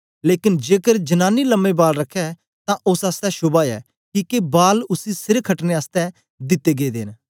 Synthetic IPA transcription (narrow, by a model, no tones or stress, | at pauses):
leːkɪnd͡ʒeːkəɾd͡ʒɐnaːniləmːebaːlɾɐkʰːɛ | t̪ãʔʊsaːst̪ɛʃʊbaːɛ̰ː | kiːkebaːlʊsisɪɾkʰːəʈneaːst̪ɛ | d̪ɪt̪ːeːɡeːd̪ḛːn